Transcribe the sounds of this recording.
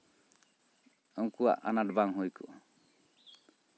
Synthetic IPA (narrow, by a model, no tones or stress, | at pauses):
ɔŋkua̰ʔa̰naɖbaŋɦujkuʔ